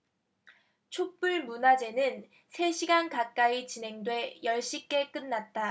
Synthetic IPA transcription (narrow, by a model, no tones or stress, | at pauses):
t͡ɕʰok̚p͈uɭmunad͡ʑe̞nɯn | sʰe̞ɕʰiɡankak̚k͈ait͡ɕinɦe̞ŋdwe̞jʌɭɕ͈ik͈e̞k͈ɯnːat̚t͈a